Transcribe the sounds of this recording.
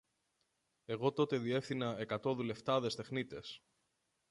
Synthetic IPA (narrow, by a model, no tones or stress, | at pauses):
e̞ɣo̞t̪o̞t̪e̞ðie̞fθinɐe̞kɐt̪o̞ðule̞ft̪ɐðe̞st̪e̞xnit̪e̞s